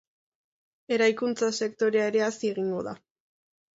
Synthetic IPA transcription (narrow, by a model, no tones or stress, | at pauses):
e̞ɾajkunt͡sase̞kt̪o̞ɾeae̞ɾe̞asieɣiŋɡo̞ða